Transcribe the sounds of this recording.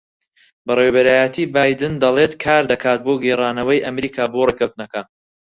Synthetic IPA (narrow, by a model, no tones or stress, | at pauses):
bɐrewbɐɾaːjɐt̪ʰiːbaːjd̪ɨnd̪ɐlˠet̪kʰaːɾd̪ɐkʰaːt̪̚boːɡeraːnɐwɐjʔɐmɾiːkʰaːborekɐwt̪nɐkɐ